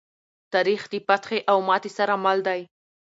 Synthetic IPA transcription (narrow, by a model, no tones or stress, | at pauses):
t̪ɑɾixd̪ipat̪xeʔawmɑt̪esaɾamald̪aj